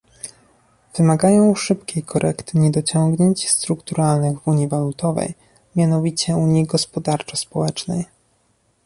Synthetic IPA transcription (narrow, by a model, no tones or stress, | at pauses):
v̥ɘmaɡajɔ̃w̃ʂɘp̚kʲejkʰɔɾʔɛ̰kt̪ɘɲɛd̪ɔt͡ɕɔŋɡɲeɲt͡ɕst̪ɾukt̪uɾalnɘɣvuɲivalut̪ɔvɛ̰j | mʲjanɔvʲit͡ɕɛuɲjiɡɔspɔd̪aɾt͡ʂɔspɔwɛt͡ʂnɛ̰j